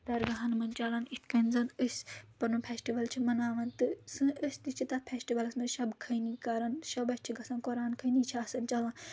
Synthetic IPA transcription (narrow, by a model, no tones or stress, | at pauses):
t̪ɐɾɡɐɦɐnmɐnt͡ʃɐlɐnit̪ʰkɐnzɐnəsʲpɐnupʰeːsʈiʋɐlt͡ʃʰimɐnaːʋɐnt̪ɨsɨ̃ʔəsʲt̪it͡ʃʰit̪ɐt̪̚pʰeːsʈiʋɐlɐsmɐʃɐbkʰɐjnikaːɾɐnʃɐbɐst͡ʃʰiɡɐsɐ̃nkoɾaːnkʰɐnit͡ʃʰaːsɐnt͡ʃɐlɐːn